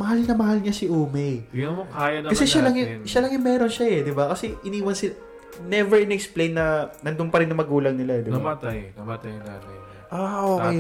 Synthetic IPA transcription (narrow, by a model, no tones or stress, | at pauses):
mɐhalnɐmɐhalɲasɪʔoːmɛkajɐkɐsɛʃalɐŋjʊʃalɐŋjʊŋmɛːɾonʃaɛd̪ɪbakɐsɛʔɪniːwɐnsɪla | nɛvɛɹɪnɛksplejnːɐnɐnd̪ʊnpɐɾɪnːɐŋmɐɡuːlɐŋnɪlad̪ɪbat̪jt̪ | ʔaʔoːkej